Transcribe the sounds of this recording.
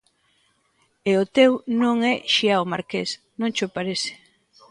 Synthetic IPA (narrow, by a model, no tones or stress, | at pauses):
eʊt̪ewnõŋɛʃiaomaɾkes | nõŋt͡ʃʊpaɾesɪ̥